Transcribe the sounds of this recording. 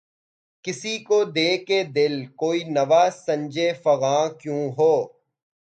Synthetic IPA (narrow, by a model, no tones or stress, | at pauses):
kɪsikod̪eːked̪ɪlkoːiːnɐʋaːsɐ̃ɲd͡ʒefɐɣãːkjũːɦoː